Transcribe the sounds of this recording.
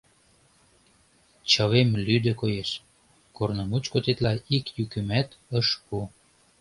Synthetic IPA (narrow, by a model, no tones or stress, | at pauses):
t͡ɕəβemlyd̪ə̆kojeʃ | kornəmut͡ɕkot̪et̪lɑikjykymæt̪əʃpu